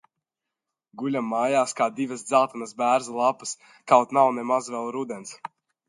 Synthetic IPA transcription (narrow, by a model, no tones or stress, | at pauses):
ɡulʲamːaːjaːskaːd̪ivəsd̪zalˠt̪anasbæːɾzalˠapɨ̥s | kawt̪nawnɛmazvɛlˠɾud̪ʲɛns